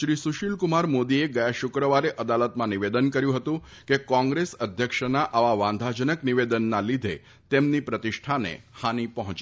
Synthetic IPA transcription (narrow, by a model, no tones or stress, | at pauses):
ʃɾisuʃilkumaɾmod̪ieɡəjaʃʊkɾəʋaɾeʔəd̪alət̪mãniʋed̪ənkəɾjũɦət̪ũ | kekɔ̃ŋɡɾesəd̪ʱjəkʃənaʔaʋaʋãnd̪ʱad͡ʒənəkniʋed̪ənːalid̪ʱe | t̪emnipɾət̪iʃʈʰanḛhanipəɦɔ̃t͡ʃ